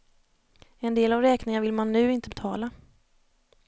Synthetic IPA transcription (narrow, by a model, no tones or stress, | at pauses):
ɛnd̪eːlavɾɛːknɪŋavɪlmanːʉ̟ːɪnt̪əbɛt̪ʰɑ̰ːla